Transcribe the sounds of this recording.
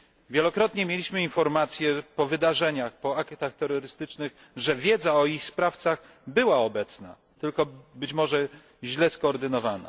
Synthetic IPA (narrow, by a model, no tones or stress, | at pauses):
vʲjɛlɔkɾɔt̪ɲɛmʲjelʲiɕmɘinfɔɾmat̪sʲjɛpɔvɘd̪aʐɛɲaxpɔakt̪axt̪ɛɾɔɾɘst̪ɘt͡ʂnɘɣ | ʐɛvʲjɛd̪zaɔixspɾaft̪saɣ | bɘwaɔbɛt̪sna̰ | t̪ɘlkɔbɘt͡ɕmɔʐɛ | ʑlɛskɔːɾd̪ɘnɔvana̰